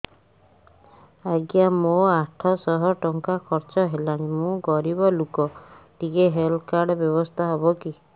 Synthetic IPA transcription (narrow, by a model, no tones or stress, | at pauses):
aɡijamoaʈʰɔsɔɦɔʈɔŋkakʰɔɾt͡ʃɔɦelaɽ̃imũɡɔɾibɔlukɔʈiɡeɦelkaɾɖɔbjɔbɔst̪ʰaɦɔbɔki